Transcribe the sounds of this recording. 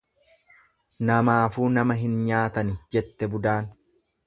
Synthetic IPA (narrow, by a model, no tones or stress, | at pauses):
nɐmaːfuːnɐmɐɦɪnɲaːt̪ɐnɪd͡ʒɛt̪ːɛbʊd̪aːn